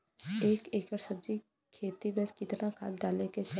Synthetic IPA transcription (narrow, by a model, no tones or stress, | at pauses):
eːkeːkəɾsəb̚d͡ʒi | kʰeːt̪ibɛ̃skɪt̪nakʰa̰ːt̪d̪aːleket͡ʃ